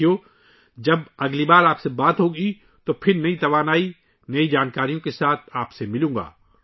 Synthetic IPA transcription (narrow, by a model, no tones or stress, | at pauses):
jo | d͡ʒɐbɐɡlibaːɾaːpsebaːt̪ɦoɡəi | t̪opʰɪɾnɐit̪ɐʋaːnaːi | nɐid͡ʒaːnkaːɾijõkesaːt̪ʰaːpsemɪlũːŋɡa̰ː